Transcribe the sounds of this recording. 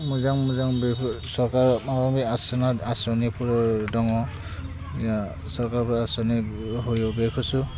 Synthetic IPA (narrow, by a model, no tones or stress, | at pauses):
muzaŋmuzaŋbesɔɹkaɹawamiasɔnaasɔnipʰuɹɔdɔŋɔ | ja | sɔɹkaɹpuɹɔasɔniɦojobekʰɔsu